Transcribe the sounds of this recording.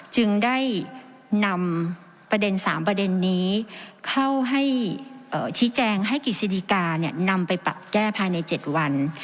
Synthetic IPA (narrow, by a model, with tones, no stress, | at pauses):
t͡ɕɯ˧ŋda˥˩j | na˧m | pɾa˧de˧nsaː˩˦mpɾa˧de˧nːiː˦˥kʰa˥˩wɦa˥˩jʔɤː˨˩t͡ɕʰiː˦˥t͡ɕɛː˧ŋɦa˥˩jki˨˩si˧di˧˩kaː˧ni˥˩ɐna˧mpa˧jpa̰˨˩p̪̚kɛː˥˩pʰaː˧jna˧jt͡ɕe˨˩t̪̚wa˧n